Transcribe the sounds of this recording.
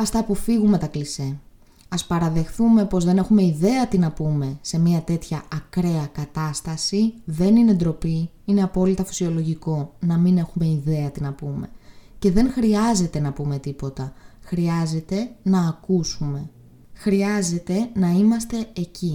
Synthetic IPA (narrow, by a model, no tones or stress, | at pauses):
ɐst̪ɐpufiɣume̞t̪ɐklise | ɐspɐɾɐðe̞xθume̞po̞zðe̞ne̞xume̞iðe̞ɐt̪inɐpume̞se̞miɐt̪e̞t̪çɐːkɾe̞ɐkɐt̪ɐst̪ɐsiðe̞nine̞d̪ɾo̞pi | ine̞ɐpo̞lit̪ɐfi̥sio̞lo̞ʝiko̞nɐmine̞xume̞iðe̞ɐt̪inɐpume̞̰ce̞ðe̞ŋxɾiɐze̞t̪e̞nɐpume̞t̪ipo̞t̪ɐxɾiɐze̞t̪e̞nɐːkusume̞ | xɾiɐze̞t̪e̞nɐimɐst̪e̞eci